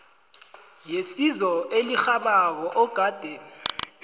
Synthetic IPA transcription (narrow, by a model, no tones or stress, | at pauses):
jesizɔelixaɓak̬ɔʔɔɡ̥ʱaːd̥ʱɛ